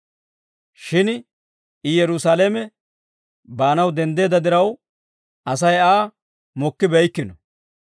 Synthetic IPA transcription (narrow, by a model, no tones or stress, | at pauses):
ʃɪn | ɪjɛɾʊsaːlemɛ | baːnɐwd̪ɛnd̪e̞ːd̪ɐd̪ɪɾɐw | ʔɐs̬ɐjaː | mɔkːɪbɛjkːɪnɔ